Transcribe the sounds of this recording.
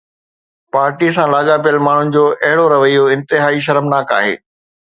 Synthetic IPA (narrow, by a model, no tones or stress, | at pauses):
paːɾʈis̬ãlaːɠapijəlmaːɳ̤ʊnɪ̆d͡ʑoːʔɐɦɪɽoɾɐʋəijoɪ̃nt̪ɪɦaːiʃ̬ɐɾəmnaːka̰ːɦḛː